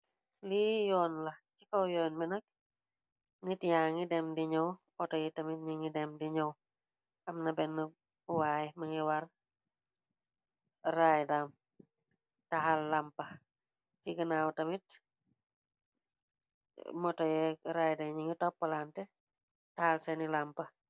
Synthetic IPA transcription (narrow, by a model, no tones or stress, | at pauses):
lijɔːnlɐcikɐwjɔːnbɛnɐk̚ | ŋitjaŋidɛmdiɲɐw | ɔtɔjɛtɐmit̚ɲiŋidɛmdiɲɐw | ɐmnɐbɛnːə | waːjmɐŋiwɐr | rajdam | tɐɦalːampɐ | t͡ʃiɡənaːwtɐmit | mɔtɔjɛɾaːjdɐɲiŋitɔpːɐlantɛ | tɐhalsɛnilampɐ